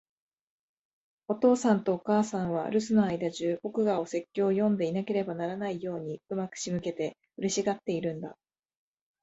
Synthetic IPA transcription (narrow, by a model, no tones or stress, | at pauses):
o̞t̪o̞ːsãnt̪o̞ːkaːsãɰ̃β̞a̰ɾɯ̟sɨnoaid̪aʑɨːbo̞kɯ̟ɡao̞se̞kʲːo̞ːjõ̞nd̪e̞inake̞ɾe̞banaɾanaijo̞ːɲ̟iɯmakɯ̟̥ɕimɯ̟ke̞t̪e̞ | ɯ̟ɾʲiɕiɡat̪ːe̞iɾɯ̟̃nd̪a̰